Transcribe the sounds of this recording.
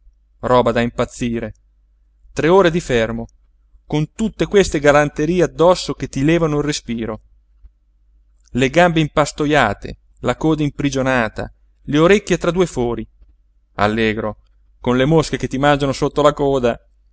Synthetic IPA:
rɔːbad̪aimpat̪sːiːɾe | t̪ɾeoːɾed̪ifermo | kont̪ut̪ːekwest̪eɡalant̪eɾiːead̪ːɔsːoket̪ːilɛːvanoilrespiːɾo | leɡambeimpast̪ojaːt̪ḛ | lakoːd̪aimpɾid͡ʒonaːt̪a̰ | leoɾekːjet̪ɾad̪uːefɔːɾi | a̰lːɛːɡɾo | konlemoskeket̪ːimand͡ʒanosot̪ːolakɔːd̪a

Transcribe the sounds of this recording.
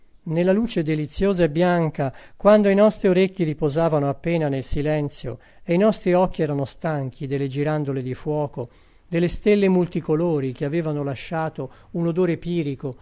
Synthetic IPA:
nelːaluːt͡ʃed̪elit̪sːjoːzaebjaŋkakwand̪oinɔst̪ɾioɾekːiɾipozaːvanoapːeːnanelsilɛnt̪sjo̰ | einɔst̪ɾiɔk̟ːiɛːɾanost̪aŋk̟ʰid̪elːed͡ʒiɾand̪oled̪ifwɔːko | d̪elːest̪elːemult̪ikoloːɾik̟eaveːvanolaʃːaːt̪ounod̪oːɾepiːɾiko

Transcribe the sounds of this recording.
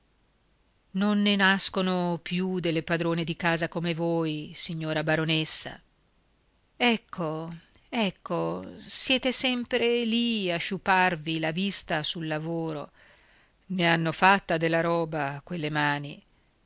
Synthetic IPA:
nonːenaskonopjud̪elːepad̪ɾoːned̪ikaːzakomevoːjsiɲːoːɾabaɾonesːa̰ | ɛkʰːo | ɛkːosjɛːt̪esɛmpɾeliaʃːupːarvilavist̪asulːavoːɾo̰ | neanːofat̪ːad̪elːaɾɔːbakwelːemaːni

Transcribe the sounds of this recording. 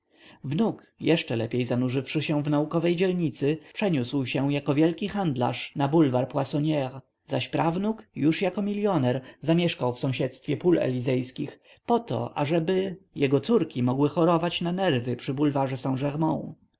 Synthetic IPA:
vnuk | jɛʂt͡ʂɛlɛpʲejzanuʐɘfʂɘɕɛvnaukɔvɛjd͡ʑɛlɲit̪sɘpʂɛɲuswɕɛjakɔvʲjɛlkʲixand̪la̰ʂnabulvaɾpwasɔɲɛʁ | zaɕpɾʔavnukjuʂjakɔmʲilʲjɔnɛɾzamʲjɛʂkawfsɔ̃w̃ɕɛt̪st̪fʲjɛpulɛ̰lʲizɛjskʲix | pɔt̪ɔ̰ʔa̰ʐɛbɘjɛɡɔt̪suɾkʲimɔɡwɘxɔɾɔvat͡ɕnanɛɾvɘpʂɘbulvaʐɛsãw̃ʐɛʁmɔ̃w̃

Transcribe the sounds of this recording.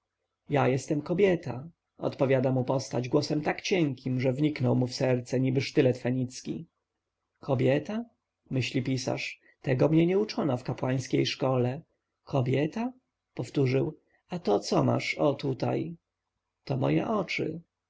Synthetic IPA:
jajɛst̪ɛmkɔbʲjɛt̪ʰa | ɔ̰t̪pɔvʲjad̪amupɔst̪ad͡ʑɡwɔsɛmt̪akt͡ɕɛŋkʲimʐɛvɲiknɔwmufsɛɾt̪sɛɲibɘʂt̪ɘlɛt̪fɛɲit̪skʲḭ | kʰɔbʲjɛt̪a | mɘɕlʲipʲisa̰ʂ | t̪ɛɡɔmɲɛɲɛut͡ʂɔnafkapwaj̃skʲejʂkɔlɛ | kʰɔbʲjɛt̪a | pɔft̪uʐɘw | at̪ɔt̪sɔma̰ʂɔt̪ut̪a̰j | t̪ɔmɔ̰jɛ̰ʔɔt͡ʂɘ̰

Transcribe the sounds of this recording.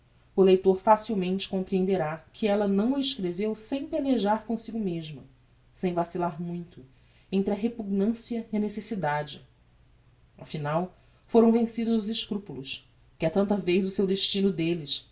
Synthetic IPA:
ʊlejt̪oɾfasiwmẽnt͡ʃɪ̥kõmpɾiẽnd̪eɾakʰɪɛlɐnɐ̃w̃ɐeʃkɾevewsẽj̃peleʒaɾkõsiɡʊmeʒmɐ | sẽj̃vasilaɾmũj̃t̪ʊ | ẽnt̪ɾɪɐɦepuɡnɐ̃siɐiɐnesesid̪ad͡ʒɪ | afinaw | foɾɐ̃w̃vẽsid̪ʊzʊzɪʃkɾupulʊs | kɪat̪ɐ̃nt̪ɐvejzʊsewd̪eʃt͡ʃinʊd̪elɪs

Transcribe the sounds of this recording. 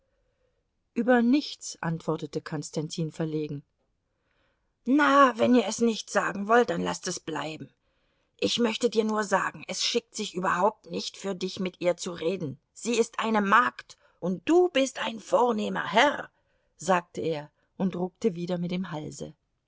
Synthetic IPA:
ʔyːbɐnɪçt͡sʔa̰ntv̥ɔɐtətəkʰɔnstantʰiːnfɛɐleːɡŋ̩ | navɛniːɐɛsnɪçtz̥a̰ːɡŋ̩vɔlt̚d̥anla̰stɛsb̥la̰ɪbm̩ | ʔɪçmœçtədiːɐnuːɐza̰ːɡŋ̩ʔɛsʃɪk̚tz̥ɪçʔyːbɐhaʊp̚tnɪçtfyːɐdɪçmɪtʔiːɐt͡suʁeːdn̩ | z̥iːɪstʔaɪnəmaːkt | ʔʊnt̚d̥uːbɪstʔaɪnfoːɐneːmɐ̰ɦɛʁ | zaːk̚təeːɐ | ʔʊntʁʊk̚təviːdɐmɪt̚d̥eːmɦalzə̰

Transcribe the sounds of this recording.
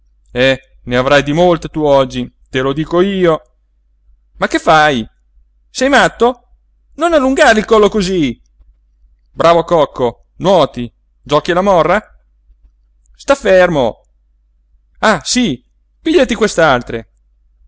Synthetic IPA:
ɛ | neavɾajd̪imolt̪et̪uɔd͡ʒːi | t̪elod̪iːkoiːo | makːefːaj | sɛjmat̪ːo | nonalːuŋɡaɾilkɔlːokozi | bɾʔaːvokɔkʰːo | nwɔːt̪i | d͡ʒɔkilamɔrːa | st̪afːermo | asi | piʎːat̪ikwest̪ealt̪ɾe

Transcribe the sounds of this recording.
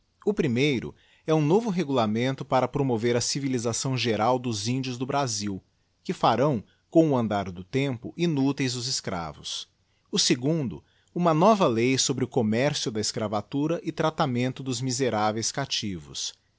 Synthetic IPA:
ʊpɾimejɾʊ̰ | ɛũnovʊɦeɡulamẽnt̪ʊpaɾɐpɾomoveɾɐsivilizasɐ̃w̃ʒeɾawd̪ʊzĩnd͡ʒʊzd̪ʊbɾaziw | kɪfaɾɐ̃w̃ | kõw̃ʊɐ̃nd̪aɾd̪ʊt̪ẽpʊʔinut̪ejzd̪ʊzɪskɾa̰vʊs | ʊseɡũnd̪ʊ̰ | ũmɐnɔvɐlejsobɾɪʊkomɛɾsijʊd̪ɐɪskɾavat̪uɾɐʔɪt̪ɾat̪amẽnt̪ʊd̪ʊzmizeɾavejskat͡ʃivʊ̰s

